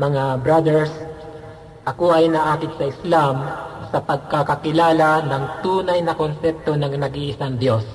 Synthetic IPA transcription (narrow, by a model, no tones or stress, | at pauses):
mɐŋabɾad̪ɛɹs | ʔɐkoʔɐjnɐʔaːkɪt̪sɐʔɪslamsɐpɐɡ̚kakɐkɪlaːlanɐŋt̪uːnɐjnɐkonsɛp̚t̪o̞nɐŋnɐɡiʔɪsaŋd̪jo̞s